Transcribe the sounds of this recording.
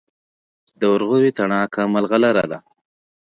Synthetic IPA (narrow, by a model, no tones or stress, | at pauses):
d̪əwʊɾɣʊwit̪aɳɑːkʰamalɣalaɾad̪a